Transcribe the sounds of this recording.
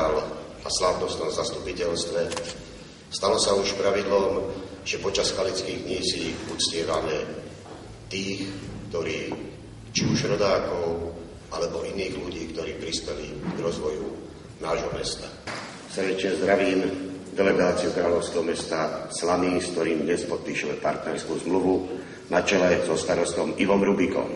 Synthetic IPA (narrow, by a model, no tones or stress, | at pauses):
al | aslaʊnɔst̪ɔmzast̪upicɛlst̪ʋɛ | st̪alɔsauʃpɾaʋid̪lɔm | ʒ̥ɛpɔt͡ʃasxalit͡skiːɣdɲiːsiut͡scɪɛʋamɛ | t̪iːxkt̪ɔɾiː | t͡ʃiuʒɾɔd̪aːkɔʊ | ʔalɛbɔʔiniːɣluɟiːkt̪ɔɾiːpɾispɛlḭɡɾɔzʋɔju | naːʒɦɔmɛst̪a̰ | srɟɛt͡ʃɲɛzd̪ɾaʋiːnd̪ɛlɛɡaːt͡siukɾaːlɔʊskɛɦɔmɛst̪aslaniːskt̪ɔɾiːmd̪ɲɛspɔt̪̚piːʃumɛpa̰ɾt̪nɛɾskuːzmluʋu | nat͡ʃɛlɛzɔst̪aɾɔst̪ɔmiʋɔmɾubikɔ̰m